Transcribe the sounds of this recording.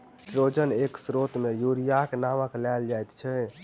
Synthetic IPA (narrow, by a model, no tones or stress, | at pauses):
ʈɾod͡ʒəneksɾot̪mejuɾijakenaməklald͡ʒajt̪t͡ʃʰɛ